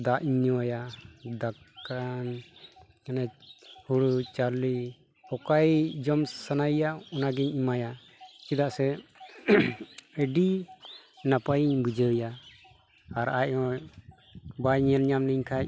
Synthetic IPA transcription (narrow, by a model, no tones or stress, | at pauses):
d̪aʔɲɔjad̪akːan | kanɛhuɽut͡ʃaɾli | ɔkajd͡ʒɔmsanajaɔnaɡɛɲimaja | t͡ʃid̪aʔsɛ | əɖi | napajiɲbud͡ʒəwjaː | ɾacɔ | bajɲɛlɲamniɲkʰac